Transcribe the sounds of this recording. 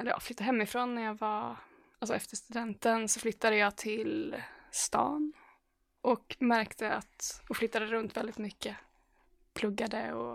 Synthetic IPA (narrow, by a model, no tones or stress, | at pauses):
ɛlːəɾj̰flʏt̪ːaɦɛmːɪfɾoːnːæɾjɑːva | alsɔɛft̪əʂt̪ɵd̪ɛnt̪ənsɔflʏt̪ːad̪əjɑːt̪ʰɪlst̪ɑ̰ːn | ʔɔkmæɾkt̪ʰəa̰t̪ɔflʏt̪ːad̪əɾɵnt̪vɛld̪ɪt̪mʏkːə | pʰlɵɡːad̪əɔ